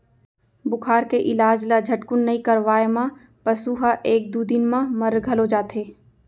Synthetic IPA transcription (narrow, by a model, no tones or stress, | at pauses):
bʊkʰaːɾkeʔɪlaːd͡ʒlad͡ʒʱɐʈkʊnːɐikɐɾʋaːemã | pɐsuɦaʔeːk̚d̪ud̪ɪnmãmɐɾɡʱɐlod͡ʒaːt̪eː